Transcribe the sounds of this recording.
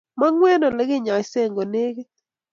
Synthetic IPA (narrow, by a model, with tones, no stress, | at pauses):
ma˦ŋwɛ˦nɔ˨lɛ˦ɡɪ˦ɲa˨se˦˨ŋɡo˨ne˦ɡe˦